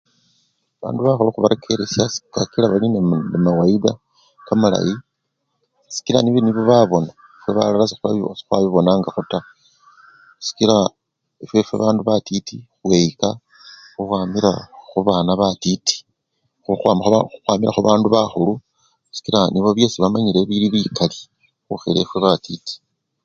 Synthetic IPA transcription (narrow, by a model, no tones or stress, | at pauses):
aβa̰ːnduβaxuluxuβaɾekʰe̞ɾesjasi̥kakilaβalinenemawaida | kamala̰ji | si̥kilaniβoniβo̞βaβo̞na | fweβa̰lalasexuβa̰βiosi̥xwaβiβo̞naːŋɡaxuta | si̥kila | efwe̞fwḛβaːnduβatitixwe̞jika | xuxwaːmiɾa̰xuβaːnaβatiti̥ | xuxwaːmaxxuxwaːmiɾaxuβaːnduβaxulu | si̥kiɾaniβo̞βje̞ːsiβamaɲiɾe̞βiɾiβikʰali̥ | xuxile̞̰fwe̞βatiti̥